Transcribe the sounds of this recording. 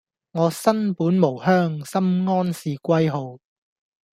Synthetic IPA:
ŋɔː˨˧sɐ˥npuː˨˥nmo˨˩whœː˥ŋsɐ˥mŋɔː˥nsiː˨˧kʷɐ˥jɦo˨˧w

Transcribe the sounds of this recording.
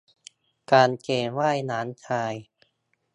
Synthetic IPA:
kaː˧nkeː˧˩waː˥˩jnaː˩˦˥nt͡ɕʰaː˧j

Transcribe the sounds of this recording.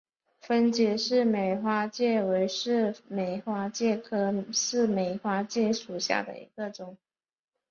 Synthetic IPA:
fə˥nt͡ɕjɛ˧˥ʂɻ̩˥˩me˨˩ɪxwa˥t͡ɕjɛ˥˩we˧˥ɪʂɻ̩˥˩me˨˩ɪxwa˥t͡ɕjɛ˥˩kʰɤ˥ʂɻ̩˥˩me˨˩ɪxwa˥t͡ɕjɛ˥˩ʂu˨˩ɕja̰˥˩d̪ə̰˨ḭ˧˥ɡ̥ə˧ʈ͡ʂʊ˨˩˦ŋ

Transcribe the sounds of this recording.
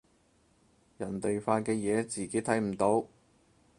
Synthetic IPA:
jɐ˨˩nt̪e˨jfaː˧kɛː˧jɛː˨˧t͡siː˨ke˨˥jt̪ʰɐ˨˥jm̩˨˩t̪o˨˥w

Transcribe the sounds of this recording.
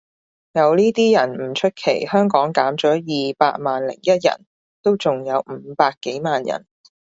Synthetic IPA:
jɐ˨˧wliː˥t̪iː˥jɐ˨˩nm̩˨˩t͡ʃʰɵ˥t̚kʰe˨˩jhœː˥ŋkɔː˨˥ŋkaː˨˥mt͡ʃɔː˨˥jiː˨paː˧k̚maː˨nlɪ̰˨˩ŋjɐ˥t̚jɐ̰˨˩n | t̪o˥wt͡sʊ˨ŋjɐ˨˧wm̩ː˨˩˦paː˧kːe˨˥jmaː˨njɐ̰˨˩n

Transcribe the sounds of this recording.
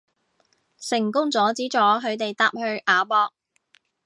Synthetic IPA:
sɪ˨˩ŋkʊ˥ŋt͡sɔː˨˥t͡siː˨˥t͡ʃɔː˨˥ɦɵ˨˧ɥt̪e˨jt̪aː˧p̚hɵ˧ɥʔaː˨˧pɔː˧k̚

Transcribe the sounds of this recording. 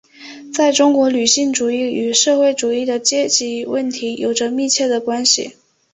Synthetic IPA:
t͡sa˥˩ɪʈ͡ʂʊ˥ŋkwɔ˧˥ly˨˩ɕi˥˩ŋʈ͡ʂu˨˩i˥˩y˨˩ʂɤ˥˧xwe˥˩ɪʈ͡ʂu˨˩i˥˩d̪ə˩t͡ɕjɛ˥t͡ɕi˧˥wə˥˩nt̪ʰi˧˥jo˨˩ʊʈ͡ʂə˦mi˥˧t͡ɕʰjɛ˥˩d̪ə˩kwa˥nɕḭ˨˩

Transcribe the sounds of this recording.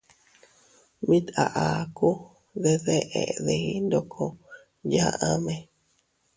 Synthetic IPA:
mĩ˦t̪a˨ʔa˨ku˦ | ðe˧ðe˦ʔḛ˨ðe˨i˦nd̪o˧˨kʰo˧ | ja˧ʔa˦mẽ˧

